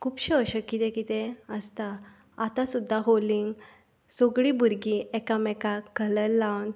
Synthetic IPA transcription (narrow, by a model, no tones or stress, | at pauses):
kʰuːpɕəəɕəkːit̪ɛ̃kit̪ɛ̃əst̪a | at̪ãsud̪ʱːaɦoliŋɡ | soɡɽibʱuɾɡiɛkamɛkakələlːawn